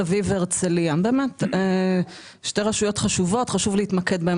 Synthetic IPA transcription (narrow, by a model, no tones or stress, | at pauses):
aviveʁt͡seliambeːmete | ʃte̞ʁaʃujo̞tχaʃuvo̞tχaʃuvleitmaked̪bae